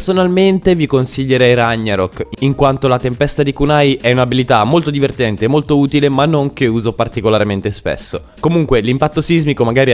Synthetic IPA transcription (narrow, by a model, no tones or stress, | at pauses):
sonalment̪evikonsiʎːeɾɛjɾaɲːaɾokːiŋkwant̪olat̪empɛst̪ad̪ikunajʔɛunabilit̪amːolt̪od̪ivert̪ɛnt̪eːmːolt̪ouːt̪ilemanːoŋk̟euːzopart̪ikolaɾment̪espḛsːo | komuŋkwelimpat̪ːosizmikomaɡaːɾi